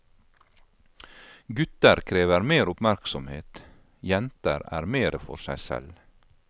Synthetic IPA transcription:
ɡʉt̪əɾkʰɾeːʋəɾmeːɾʊpmæɾksɔmhḛːt̪ | jɛnt̪əɾæ̰ːɾmeːɾʔəfɔ̰ɾsæɪsɛ̰l

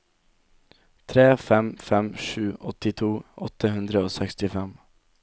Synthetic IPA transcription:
t̪ʰɾeːfɛmfɛmʂʉːʔɔt̪ːɪt̪ʰuːɔt̪ʰːəɦɵnd̪ɾəoːsɛkst̪ɪfɛm

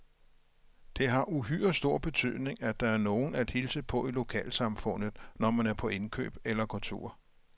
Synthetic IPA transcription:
d̥e̝ɦɑ̈ʔuɦy̰ːɐsd̥o̝ɐ̰b̥e̝t͡sʰy̰ð̞̰ˠne̝ŋæ̥ɑ̈æɐno̝ːn̩æd̥hilsəpʰɒ̽ilo̝kʰɛ̰ːlsɑ̈mfɔ̽n̰ð̞̩ˠnɒmænæɐpʰɒ̽ʔe̝nkʰø̰ːb̥elɐkʰɔ̽lt͡sʰo̝̰ːɐ̰

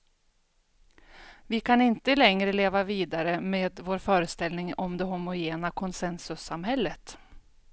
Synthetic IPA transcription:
vɪkʰanɪnt̪əlɛŋɾəleːvaviːd̪aɾəmeːd̪voːɾfœːɾəst̪ɛlnɪŋɔmd̪ɛɦʊmʊjeːnakʰɔnsɛnsɵsamɦɛlːət̪

